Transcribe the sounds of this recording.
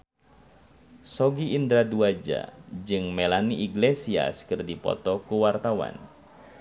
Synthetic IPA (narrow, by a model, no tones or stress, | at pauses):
sɔɡiːnd̪ɾaduad͡ʒa̰d͡ʒɨŋmelaniʔiɡlesia̰skɨrdipɔ̰t̪ɔkuwart̪awa̰n